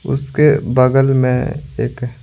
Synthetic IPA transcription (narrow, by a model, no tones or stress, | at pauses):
ʊ̰skebɐɡəlmḛ̃ḛːk